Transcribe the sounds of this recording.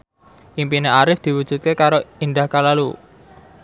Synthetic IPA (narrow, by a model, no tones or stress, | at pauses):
ʔimpineaɾɪfd̪̥i̤wud̥ʒ̥ṳt̪̚kekaɾoind̪ahkalalu